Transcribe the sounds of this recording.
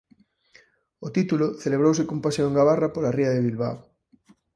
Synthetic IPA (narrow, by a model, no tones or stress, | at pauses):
ot̪it̪uloθeleβ̞ɾowsekompasjoeŋɡaβarapolariaðeβilβa̰w